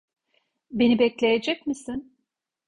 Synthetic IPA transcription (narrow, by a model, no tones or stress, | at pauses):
be̞nibɛclʲe̞jed͡ʒɛc̚misin